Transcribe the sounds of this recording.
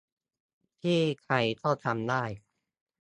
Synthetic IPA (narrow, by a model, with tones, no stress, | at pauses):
t̪ʰiː˥˩kʰɾa˧jk̪ʰɔ˥˩t̪ʰa˧mdaː˥˩j